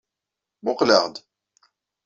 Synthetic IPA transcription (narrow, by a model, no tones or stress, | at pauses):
mʊqləʁd̪